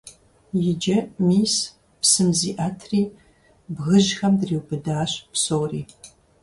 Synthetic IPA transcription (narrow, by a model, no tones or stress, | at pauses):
jɪd͡ʒɐmiːs | psɨmziːʔatʰriː | bɣɨʑxɐmdriːwbɨdaːɕpsowriː